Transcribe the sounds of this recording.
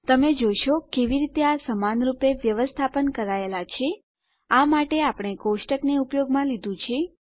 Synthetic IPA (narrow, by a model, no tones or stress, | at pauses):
t̪əmed͡ʒojʃokeʋiɾit̪easəmanɾupeʋjəʋəst̪ʰapənkəɾaelat͡ʃʰe | amaʈeapɽ̃ekoʃʈəkneupjoɡmãlid̪ũt͡ʃʰe